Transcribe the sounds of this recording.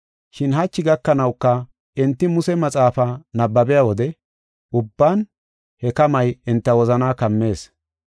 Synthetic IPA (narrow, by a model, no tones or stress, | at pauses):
ʃɪnɦɐt͡ʃːɪɡɐkːɐnɐwkːɐ | ɪnt̪ːɪmʊsɛmɐt͡sʼaːfɐnɐbːɐbɛjawɔd̪ɛ | ʔʊbːaːn | hɛkɐmɐjɪnt̪ːɐwɔzɐnaːkɐmːe̞ːs